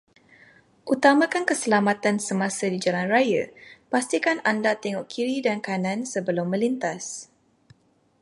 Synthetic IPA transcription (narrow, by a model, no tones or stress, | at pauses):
ʔut̪amãkankəsəlamat̪ansəmãsədid͡ʒalanrajə̰past̪ikanandat̪ɛŋɔʔkʰiɾidankanãnsəbəlʊmːə̃lint̪as